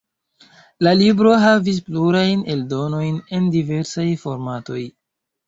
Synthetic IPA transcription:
lalibɾo̞ɦavis̬pluɾajne̞ldo̞no̞jne̞ndive̞ɾsajfo̞ɾmato̞j

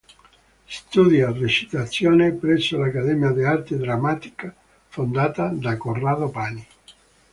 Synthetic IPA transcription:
st̪ud̪jarret͡ʃi̥t̪at̪sːjoːnepɾɛsːolakad̪ɛmjad̪iart̪ed̪ɾamːat̪i̥ka | fond̪aːt̪ad̪akoraːd̪opaːni

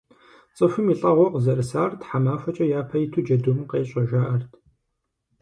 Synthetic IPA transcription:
t͡sʼɨfɨmiɬʼɐʁʷɔqəzɐrɨsaːrtħamaːfʷɐt͡ʃʼɐjaːpʰɐjitʰud͡ʒɐdumqeːɕʼɐʒaːʔɐrtʰ

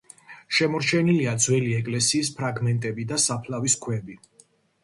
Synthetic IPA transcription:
ʃɛmɔɾt͡ʃʰɛniliad̪zwɛliɛkʼlɛsiːs̬pʰɾaɡmɛnt̪ʼɛbid̪asapʰlaviskʰwɛbi

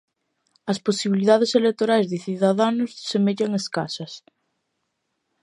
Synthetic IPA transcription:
ɐsposiβiliðaðeselek̚t̪oɾajzðɪθiðaðanʊssemeʎɐŋeskasɐs

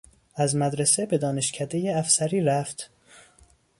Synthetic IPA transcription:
æzmæd̪ɾesebe̞d̪ɒːneʃcʰæd̪ejeæfsæɾiːɾæft̪

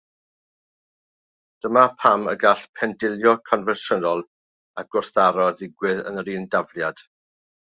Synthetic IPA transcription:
d̥əmapʰamə̰ɡaɬpʰɛndɪlˠjɔkʰɔnvɛnʃənɔlˠ | aɡ̥ʊrθaɾɔðɪɡwɨðə̰nəɾiːndavlˠjad̥

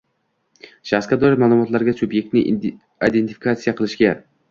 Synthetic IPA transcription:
ʃaχskʲad̪ɒlamaːlˠʊmɒt̪laɾɡʲasʊbje̞k̚t̪nɪ | id̪e̞nt̪i̥fi̥kʰat̪sijaqʰɨlˠɪʃɡʲa

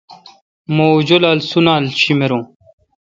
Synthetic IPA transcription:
mod͡ʑolalsunaːlɕimeɾõː

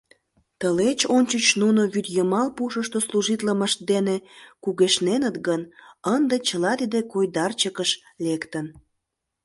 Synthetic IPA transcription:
t̪əlet͡ɕonʲt͡ɕət͡ɕnunoβyt̪jəmɑlpuʃəʃt̪osluʒit̪ləməʃt̪̚d̪enekuɣeʃnenət̪ɡənənd̪et͡ɕəlɑt̪id̪ekojd̪ɑrt͡ɕəkəʃ | lekt̪ən

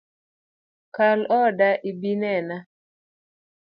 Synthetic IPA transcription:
kalɔdaʔibinɛna

